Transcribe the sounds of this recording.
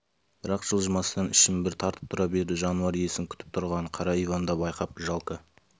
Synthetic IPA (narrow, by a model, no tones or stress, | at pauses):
b̥ɪɾɑqʒ̥əlˠʒəmɑsəd̪ɑnɪʃɪmbɪɾt̪ʰɑɾt̪ə̥p̚t̪ʰʊɾɑbe̞ɾd̪ɪʒɑnuɑɾije̞sɪŋkʲʰʏ̥t̪ɪp̚t̪ʰʊɾʁɑɴqʰɑɾɑijvɑnd̪ɑbɑjqɑp̚ʒɑlˠkə